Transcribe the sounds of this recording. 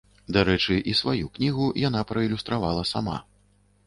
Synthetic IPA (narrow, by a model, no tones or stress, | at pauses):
d̪aɾɛt͡ʂɨʔisvajuknʲiɣujan̪apɾɐilʲust̪ɾavalˠɐsama̰